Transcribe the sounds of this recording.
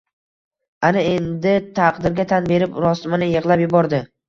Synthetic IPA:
anɪe̞nd̪ɪt̪ʰaqd̪ɪɾɡʲat̪ʰanbe̞ɾɪpɾɒsmɪnɪjɨʁlˠapjʊbɒɾd̪ɪ

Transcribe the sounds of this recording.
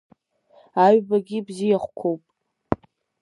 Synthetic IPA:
aɥbaɡʲibzijaχʷkʷʰowpʼ

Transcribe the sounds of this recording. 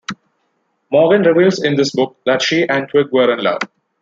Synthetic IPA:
mɔːɾɡə̃nɾɪʋiːlzɪ̃nd̪ɪsbʊk̚d̪æʈʃiːʔɛ̃nʈʰwɪɡ̚ʋəɾɪ̃nlʌ̰ʋ

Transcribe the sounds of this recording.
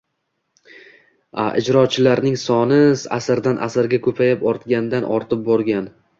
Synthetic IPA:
a̰ʔɪ̰d͡ʒɾɒt͡ʃʰɪlaɾnɪŋsɒnɪsa̰sɪɾd̪anʔa̰sɪɾɡʲakʰɵpʰajapɒɾt̪ɡʲand̪anʔɒ̰ɾt̪ʰɪp̚bɒɾɡʲan

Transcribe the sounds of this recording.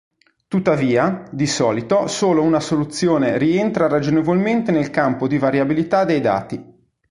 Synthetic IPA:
t̪ut̪ːaviːad̪isɔːlit̪osoːlounasolut̪sːjoːneɾient̪ɾaɾad͡ʒonevolment̪enelkampod̪ivaɾjabilit̪ad̪ejd̪a̰ːt̪i

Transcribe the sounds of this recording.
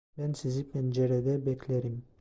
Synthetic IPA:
bænsizipʰɛnd͡ʒeɾɛd̪ɛbɛkʲlʲeɾim

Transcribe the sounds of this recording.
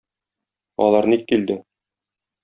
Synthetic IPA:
ɒ̰lˠɑɾnikkːild̪ɘ

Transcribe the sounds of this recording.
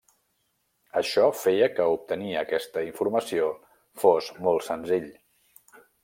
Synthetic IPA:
əʃɔfejəkəup̚t̪əniəːkɛst̪əiɱfuɾməsio | fozmolˠtsənziʎ

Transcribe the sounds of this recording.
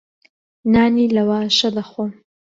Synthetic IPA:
naːnilɐwaːʃɐlɐxom

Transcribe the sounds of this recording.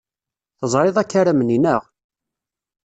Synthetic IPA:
θəzˤɾˤɪðˤækːaɾæməninəʁ

